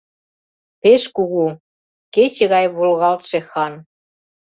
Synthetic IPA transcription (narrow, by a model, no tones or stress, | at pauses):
peʃkuɣu | ket͡ɕĕɣɑjβolɣɑlt̪ʃexɑn